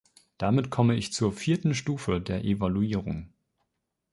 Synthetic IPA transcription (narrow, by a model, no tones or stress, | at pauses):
d̥amɪtkʰɔməɪçt͡suːɐfiːɐtn̩ʃtuːfədeːɐʔevaluiːʁ̞ʊ̰ŋ